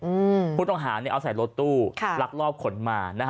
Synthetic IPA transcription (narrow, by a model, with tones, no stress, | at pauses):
ʔɯː˧pʰuː˥˩t̪ɔ˥ŋɦaː˩˦ni˧˥˩ʔa˧wsa˨˩˦jlo˦˧˥t̪ːuː˥˩kʰla˦˥k̚lɔː˥˩p̚kʰo˩˦nmaː˧na˦˥